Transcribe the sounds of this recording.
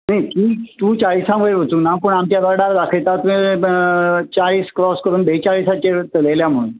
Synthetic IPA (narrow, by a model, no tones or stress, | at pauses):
nekiːt̪ũːt͡ɕaɭisãmeɾʋət͡sũnapəɳ̃amt̪jabaɽaɾd̪akʰet̪at̪uẽ | t͡ɕaɭiːskɾɔskəɾuːnbet͡ɕaɭisat͡ɕeɾt̪əleljam̤uɽũn